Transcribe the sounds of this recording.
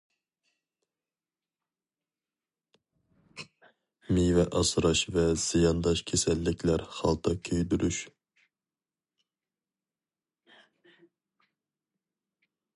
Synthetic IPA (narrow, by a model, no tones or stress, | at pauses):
mijvɛʔɑsɾɑʃvɛz̥ijɑnd̪ɑʃkʲʰesɛlːɪkʲʰlæɾχɑlˠt̪ʰɑkʲʰøjd̪yɾyʃ